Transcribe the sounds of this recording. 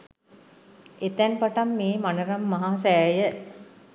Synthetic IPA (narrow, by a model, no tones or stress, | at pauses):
et̪ænpaʈamːeːmanəɾamːaɦaːsæjə